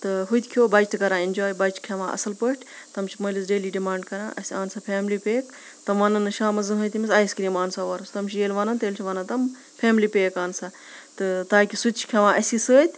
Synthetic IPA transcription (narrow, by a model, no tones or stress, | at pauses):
t̪ɨɦut̪ʲkʰjoːbɐt͡ʃt̪ɨkɐɾãːind͡ʒoːjbɐt͡ʃʰkʲʰɐʋã̰ːʔɐ̰sɨlpəʈʰʲt̪ɐmt͡ʃʰimɐlisɖeːliːɖimaːɳɖ̚kɐɾã̰ːʔɐsiaːnsapʰʲeːmliːpʲeːk | t̪ɐmʋɐnɐnːɨʃaːmɐzɨnɦut̪imisaːjskɾiːmaːnsaːʋɐɾst̪ɐmt͡ʃʰijeːlʲʋaːnɐnt̪eːlʲt͡ʃʰiʋaːnɐnt̪ɐm | pʰeːmliːpeːkaːnsa | t̪ɨt̪aːkʲisut̪t͡ʃʰi̥kʰʲeʋãːʔɐsisəːt̪ʲ